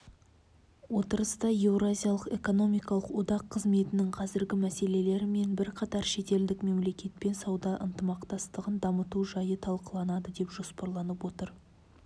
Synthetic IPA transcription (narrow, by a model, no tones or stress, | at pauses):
wo̞t̪əɾəst̪ɑje̞vɾazʲijalˠəqe̞ko̞no̞mijkɑlˠəqwo̞d̪ɑqʰːəzme̞t̪ɪnɪɴqʰɑzɪɾɡʲɪmæse̞le̞le̞ɾɪme̞nbɪɾqʰɑt̪ɑɾʃe̞t̪e̞ld̪ɪkme̞mle̞kʲʰe̞t̪̚pe̞nsɑwd̪ɑʔə̰nt̪əmɑqt̪ɑst̪əʁənd̪ɑmət̪uʒɑjət̪ʰɑlˠqəlˠɑnɑd̪əd̪e̞pʒ̥o̞spɑɾlˠɑnəpwo̞t̪əɾ